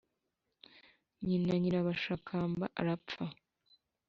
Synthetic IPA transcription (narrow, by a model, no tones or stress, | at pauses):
ɲinaɲiɾaβaʃakʰaːmba̰ʔa̰ɾap͡fa